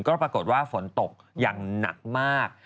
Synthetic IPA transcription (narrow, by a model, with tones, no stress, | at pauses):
ŋkɔː˥˩pɾa˧ko˨˩t̪̚waː˥˩fo˩˦nt̪o˨˩k̚ | jaː˨˩ŋna̰˨˩k̚maː˥˩k̚